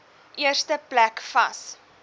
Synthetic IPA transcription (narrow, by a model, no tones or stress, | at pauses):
ʔiərstəplækfɐs